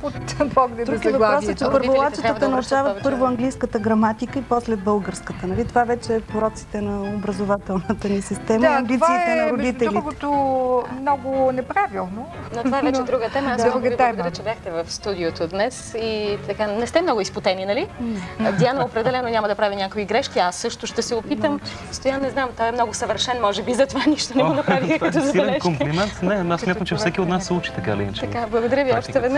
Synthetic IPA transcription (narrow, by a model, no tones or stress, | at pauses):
pot̪bɔɡd̪d̪ɾuɡivɐpɾɔsət͡ʃɛpəɾvvolˠat͡ʃit̪ət̪ənɐɾuʃavətt̪̚pɤɾvoɐŋɡlijskət̪əɡɾɐmat̪ikəipɔslɛd̪̚bɤlˠɡəɾskət̪ənɐlit̪ovavɛt͡ʃɛpoɾɔt̪si̥t̪ɛnɐobɾɐzovat̪ɛlˠnət̪ənisist̪ɛməiɐmb̪it̪vasiːɛt̪ɛnɐɾʊd̪it̪ɛɾliitɡɛt̪omnɔɡʊnɛpɾavilˠno | nɐtovaɛvvɛt͡ʃɛd̪ɾuɡət̪ɛmɐd̪uɡət̪ɛɾət͡ʃɛbʲjaxt̪ɛvɐfst̪ud̪iot̪od̪nɛsit̪ɐkanɛst̪ɛmnɔɡʊispot̪ɛninɐlid̪ʲianɛopɾɛd̪ɛlɛnonʲamɐd̪ɐpɾavʲimnʲakviɡɾɛʃk̟iasːɤʃt̪ʊʃt̪ɛsɛopit̪əm | st̪ojannɛznamt̪ɔjɛmnɔɡʊsɐvəɾʃɛnmɔʒɛbizɐt̪ovaniʃt̪onɛɡonɐpɾavixɐt̪ɔzɐb̪ɛlɛʃkomplimɛnt̪nɛasːmʲjat̪əmt͡ʃɛfsɛkʲiot̪nasːɛut͡ʃi̥t̪ɐkalḭt͡ʃ̪ːɐkablˠəɡod̪ɐɾʲjəviɔʃtt̪ɛvɛd̪na